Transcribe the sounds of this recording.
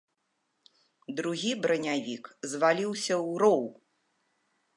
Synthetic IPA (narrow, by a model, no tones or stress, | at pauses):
d̪ɾuɣʲibɾɐnʲavʲikzvalʲiwsʲɐwɾɔw